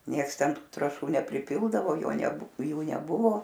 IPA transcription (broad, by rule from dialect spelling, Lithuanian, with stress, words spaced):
ˈnʲiɛks ˈtʲɛn ˈtʊ trɑːˈʃuː nʲɛpʲrʲɪˈpʲɪlˠdɐʋoː ˈjoː nʲɛˈbʊ ˈjuː nʲɛˈbʊʋoː